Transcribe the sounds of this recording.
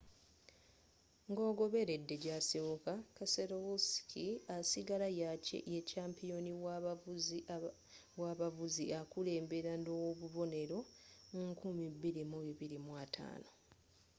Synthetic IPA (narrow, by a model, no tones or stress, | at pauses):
ŋɡo̞ːɡo̞βe̞ɾe̞dːe̞ɟasewokakaseɾowuskʰiasiɡalajacḛecaːmpijo̞ni | waβavuziakule̞ːmbe̞ɾanoβuβo̞ne̞ɾo̞mukumibːiɾimuβiβiɾimwatʰa̰ːno̞